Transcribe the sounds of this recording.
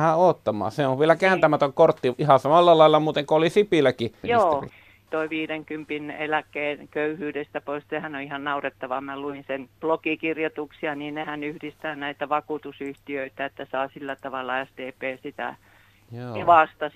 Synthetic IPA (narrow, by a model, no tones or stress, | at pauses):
hæoːt̪ːɑmˑɑ̰ːseoʋʋielækæːnt̪æmæt̪øŋkort̪ːiihɑsɑmɑlːɑlːɑˑelːɑmuːt̪eŋkoolisipilˑækijiosːḭ | t̪oiʋiːɾeŋkympinelækːˑeːnkøyhyːdest̪æpoissehænoihɑnnɑuret̪ːɑʋɑmæluinsenb̥lokikirjot̪uksiɑniːnnehænyhdist̪æːnæit̪æʋɑkuːt̪usyht̪iøit̪æet̪ːæsɑːsilːæt̪ɑʋɑlːɑæst̪eːpeːsit̪æ̰ | joːʋɑst̪ɑ